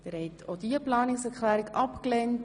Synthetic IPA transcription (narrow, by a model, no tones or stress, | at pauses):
d̥ɪɾhɛtʰodiəplɑːnɪksɛɾklæːɾɪkɑpklɛnt